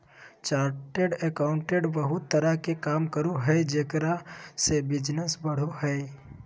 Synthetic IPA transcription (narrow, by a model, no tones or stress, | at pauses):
t͡ʃaːɾʈeɖekaːʊ̃ɳʈeɖbəɦʊt̪ːəɾakekaːmkəɾuɦɛd͡ʒeːkɾasebɪd͡ʒnəsbəɽ̤oɦɛj